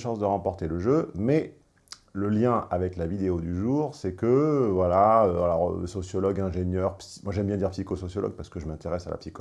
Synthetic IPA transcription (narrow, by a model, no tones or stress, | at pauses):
ʃɑ̃sd̪əʁɑ̃pɔʁt̪eləʒømɛ | ləljɛ̃ʔavɛklavid̪eod̪yʒuːʁsɛkəvwalaøalɔʁ̰sɔsjɔlɔɡɛ̃ʒenjœʁpsi̥mwaʒɛmbjɛ̃d̪iʁpsikosɔsjɔlɔ̰ɡ̚paʁsə̥kəʒəmɛ̃t̪eʁɛsala̰psi̥k